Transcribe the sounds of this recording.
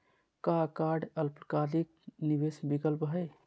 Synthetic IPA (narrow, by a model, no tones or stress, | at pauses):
kakaɖəlpkalik̚nibesbikəlpɦəj